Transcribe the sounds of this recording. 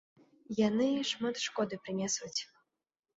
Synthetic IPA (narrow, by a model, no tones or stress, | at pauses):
janɨʂmat̪ʂkɔd̪ɨpɾɨnʲɛsut͡sʲ